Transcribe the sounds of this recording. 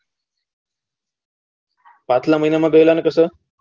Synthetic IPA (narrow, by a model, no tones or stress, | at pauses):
pãt̪ʰlaməɦinamãɡəelanekəsə